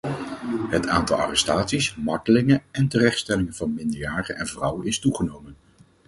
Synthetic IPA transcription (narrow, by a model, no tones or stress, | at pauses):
ɦətʰaːntɑlˠɑ̰rɛstaːtsismɑɹtəlɪŋənɛntərɛχtstɛlɪŋənvɑnmɪndəɹjaːrənɛnvrʌwənɪstuχənowmən